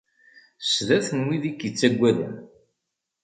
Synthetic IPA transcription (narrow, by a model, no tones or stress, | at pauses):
sðæθnwiðikːət͡sːæɡʷːæðə̰n